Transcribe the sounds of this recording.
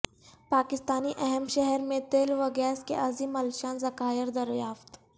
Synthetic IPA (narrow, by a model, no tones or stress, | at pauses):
paːkɪst̪aːniʔɛɦɛmʃɛɦɛɾmẽt̪eːlʋɐɡɛːskḛʔɐzimɐlʃãːnzɐkaːjəɾd̪ɐɾjaːft̪